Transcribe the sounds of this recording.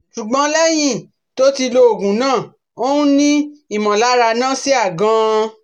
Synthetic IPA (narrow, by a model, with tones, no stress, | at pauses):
ʃu˨ɡ͡bɔ̃˨˧˦lɛ˦j̃ĩ˦ | to˦ti˧lo˧o˨ɡũ˨˦nãː˦˨ | o˦nũ˦nĩ˦i˦˨mɔ̃˨la˨˦ɾa˧nã˦˨si˦a˦˨ɡã˧